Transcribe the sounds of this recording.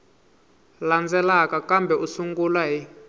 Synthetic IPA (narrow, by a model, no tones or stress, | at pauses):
land͡zɛlakakambɛusuŋɡulwaɦi